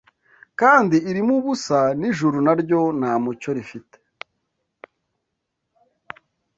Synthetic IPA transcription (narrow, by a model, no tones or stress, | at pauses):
kaːndiiɾimuβusaniʒuɾunaɾɟo̞naːmuco̞ɾifite̥